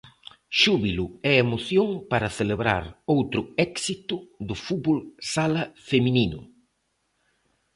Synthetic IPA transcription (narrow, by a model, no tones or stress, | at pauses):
ʃuβilʊɛemoθjoŋpaɾɐθeleβɾa̰ɾowt̪ɾʊɛksit̪ʊðʊfut̪bolsalɐfemininʊ̰